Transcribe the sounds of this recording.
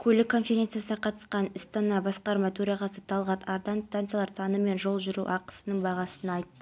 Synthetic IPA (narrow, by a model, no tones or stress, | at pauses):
kʲʰɵlɪkʰːo̞nfe̞ɾʲet̪sɨjasənɑqʰɑt̪ə̥sqɑnɪst̪ɑnɑbɑsqɑɾmɑt̪ʰɵɾɑʁɑsət̪ʰɑlˠʁɑt̪ʰɑɾd̪ɑnst̪ant̪sjalˠɑɾsɑnəme̞nʒo̞lˠʒʏɾṵʔɑqə̥sənəɴbɑʁɑsənɑjt̪ːə